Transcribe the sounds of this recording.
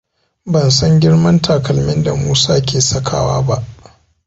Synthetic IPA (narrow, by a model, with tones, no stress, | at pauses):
bɐ˨nsɐ˦ŋɡʲɪ˦ɽmɐ˦ntʰaː˨kɐ˨lmɪ˦nda˨muː˦saː˦kʲeː˨sɐ˦kʰa̰ː˨wa̰ː˦ba˦ʔ